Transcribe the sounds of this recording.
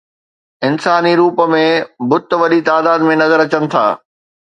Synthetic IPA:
ɪnsaːniɾuːpə̆mẽbʊt̪ʋɐɗit̪aːd̪aːd̪mẽnɐzəɾɐt͡ɕənɪ̆t̪ʰa̰ː

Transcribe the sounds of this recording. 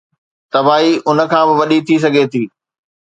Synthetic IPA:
t̪ɐbaːɦiʔʊnə̆kʰãːbɪʋɐɗit̪ʰis̬ɐɡʱet̪ʰiː

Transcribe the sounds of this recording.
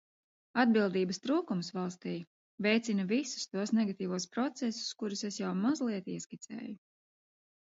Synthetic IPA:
ad̪̚bilˠd̪iːbɐst̪ɾuːkumsvalˠst̪iː | vɛjt̪sinɐvisu̥st̪uɔsnɛɡat̪iːvuɔspɾɔt̪sɛsu̥skuɾusesjawmazlˠiɛt̪iɛskit̪sɛ̰ːju

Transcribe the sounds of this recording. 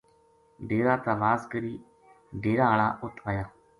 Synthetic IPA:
ɖeːɾaːt̪aːʋaːskəɾiː | ɖeːɾaːɦəɭaːʊt̪ʰʋaːjaː

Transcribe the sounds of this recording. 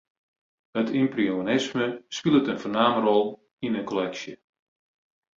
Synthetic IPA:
ətʰɪmprionɪsməspilˠətənfərnaːmərɔlˠ | inənkɔlɛksjə

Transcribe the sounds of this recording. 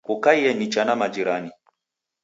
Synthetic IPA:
kukaiɛnit͡ʃanamad͡ʒiɾani

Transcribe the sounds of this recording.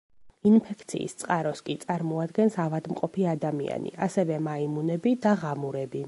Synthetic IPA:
inpʰɛkʰt̪sʰḭːst̪sʼqʼaɾɔskʼit̪sʼaɾmɔad̪ɡɛnsavad̪mqʼɔpʰiad̪amia̰nḭʔasɛvɛmaimunɛbid̪aʁamuɾɛbi

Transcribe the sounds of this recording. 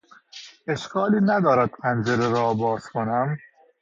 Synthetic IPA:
e̞ʃkʰɒːliːnæd̪ɒːɾæd̪̥̚pʰænd͡ʒeɾeɾɒːbɒːɾskʰonæm

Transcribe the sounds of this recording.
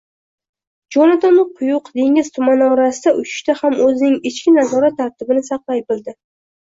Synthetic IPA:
d͡ʒɒnat̪ʰɒnoqʰʊjʊqd̪e̞ŋʲɪz̥t̪ʰʊmanɒɾasɪd̪aʔʊt͡ʃʰɪ̥ʃt̪ahamɵzɪnɪŋɪt͡ʃkʲɪnazɒɾat̪ʰːaɾt̪ʰɪbɪnɪsɑqlˠajbɪlˠd̪ɪ

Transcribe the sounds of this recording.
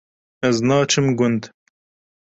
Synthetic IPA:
ɐznɑːt͡ʃimɡʊnd̪

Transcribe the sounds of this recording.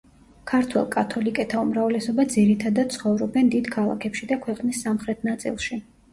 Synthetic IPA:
kʰaɾt̪ʰwɛ̰lˠkʼat̪ʰɔlikʼɛt̪ʰaumɾavlɛsɔbad̪ziɾit̪ʰad̪ad̪̚t̪sʰχɔvɾɔbɛnd̪id̪kʰalˠa̰kʰɛpʃid̪akʰwɛqʼnisːamχɾɛt̪ʰnat̪sʼḭlˠʃi

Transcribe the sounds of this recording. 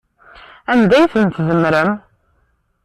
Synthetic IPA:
æmd̪æjθənt̪zəmːɾəm

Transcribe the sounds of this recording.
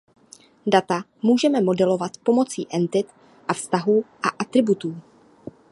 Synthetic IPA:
dat̪a | muːʒɛmɛmo̞dɛlo̞vat̪po̞mo̞t͡siːʔɛnt̪ɪt̪ | ʔafst̪aɦuːʔaʔat̪ɾɪbut̪uː

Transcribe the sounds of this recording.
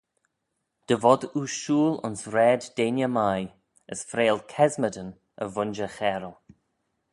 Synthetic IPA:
d̥əvɔd̪uʃuːlʊ̰nsɾɛːdːeːnjəmaj | əsfɾeːlˠkʰɛzmədən | əvʊnd͡ʒəxɛːɾəlˠ

